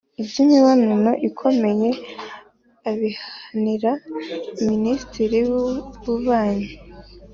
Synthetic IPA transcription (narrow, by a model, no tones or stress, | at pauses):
ibzimiwaninoʔikʰo̞me̞je̞ | aβihaniɾaiministiɾiβuβaːɲe